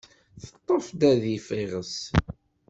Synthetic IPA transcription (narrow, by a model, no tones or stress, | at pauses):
θə̥t̪ˤːəfd̪æðifiʁəs